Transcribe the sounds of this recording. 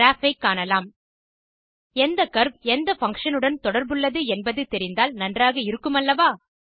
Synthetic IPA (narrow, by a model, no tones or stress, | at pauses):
ɾaːfɐɪkːaːɳɐlaːm | ɛnd̪ɐkɐɾb̚ɛnd̪ɐfɐŋkʂɐnɯɽɐnt̪ɔɽɐɾbɯɭːɐðɯɛnbɐðɯt̪ɛɾɪnd̪aːlnɐndraːɣɐɪɾɯkːɯmɐlːɐʋaː